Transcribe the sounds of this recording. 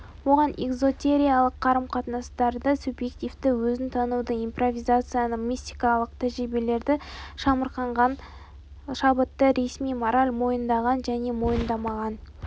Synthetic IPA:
wo̞ʁɑnʔeɡzo̞t̪ʲe̞ɾʲijalˠəqʰːɑɾəmqʰɑt̪nɑst̪ɑɾd̪əsubje̞kt̪ʲivt̪ɪwɵzɪnt̪ʰɑnud̪əijmpro̞vʲijzat̪sɨjanəmʲist̪ʲijkɑlˠəqt̪ʰæʒɾibele̞ɾd̪ɪʃɑməɾqɑɴʁɑn | ʃɑbət̪ːəɾe̞smijmoɾalʲmo̞jənd̪ɑʁɑnʒæne̞mo̞jənd̪ɑmɑʁɑn

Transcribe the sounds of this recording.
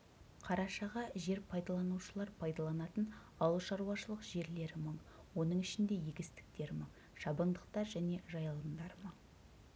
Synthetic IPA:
qʰɑɾɑʃɑʁɑʒe̞ɾpʰɑjd̪ɑlˠɑnuʃəlˠɑɾpʰɑjd̪ɑlˠɑnɑt̪ən | ɑwlˠʃɑɾuɑʃəlˠəqʒe̞ɾle̞ɾɪməɴwo̞nəɴɪʃɪnd̪e̞jeɡʲɪst̪ɪ̥k̚t̪e̞ɾməɴ | ʃɑbəɴd̪əq̚t̪ɑɾʒæne̞ʒɑjɑlˠəɴd̪ɑɾməɴ

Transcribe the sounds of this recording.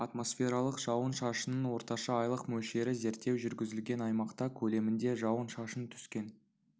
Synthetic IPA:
ɑt̪mo̞sfʲe̞ɾɑlˠəqʒ̥ɑwənʃɑʃənənwo̞ɾt̪ɑʃɑɑjlˠəqmɵlʃe̞ɾɪze̞ɾt̪ːe̞wʒʏɾɡʲɪzɪlɡʲe̞nɑjmɑqt̪ɑkʲʰɵle̞mɪnd̪e̞ʒɑwənʃɑʃənt̪ʰʏ̥skʲe̞n

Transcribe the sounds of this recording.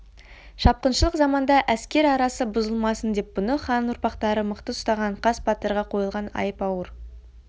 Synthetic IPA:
ʃɑp̚qənʃəlˠəqzɑmɑnd̪ɑʔæskʲe̞ɾɑɾɑsəbʊzəlˠmɑsənd̪e̞p̚bʊnəχɑnʊɾpɑqt̪ɑɾəməqt̪əʊst̪ɑʁɑɴqʰɑspɑt̪əɾʁɑqʰo̞jəlˠʁɑnɑ̰jəpɑwəɾ

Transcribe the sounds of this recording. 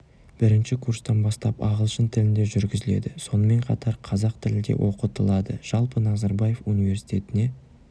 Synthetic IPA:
b̥ɪɾɪnʃɪkʰurst̪ɑnbɑst̪ɑpɑ̰ʁəlˠʃənt̪ʰɪlɪnd̪e̞ʒʏɾɡʲɪzɪle̞̰d̪ɪso̞nəme̞ɴqʰɑ̰t̪ʰɑɾqʰɑzɑq̚t̪ʰɪlɪd̪e̞̰wʔoqət̪əlˠɑd̪əʒ̥ɑlˠpənɑzɑɾbɑje̞funijve̞ɾsi̥jt̪ʲe̞t̪ɪne̞

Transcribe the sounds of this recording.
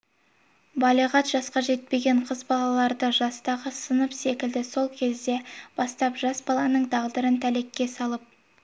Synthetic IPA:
bɑlˠiʁɑt̪ʒ̥ɑsqɑʒe̞t̪̚pe̞ɡʲe̞ɴqʰəzbɑlˠɑlˠɑɾd̪əʒɑst̪ɑʁəsənəpse̞kʲɪld̪ɪso̞lˠkʲʰe̞zd̪e̞b̥ɑst̪ɑpʒɑsbɑlˠɑnəɴd̪ɑʁd̪əɾənt̪ʰæle̞kʲːe̞sɑlˠəp̚

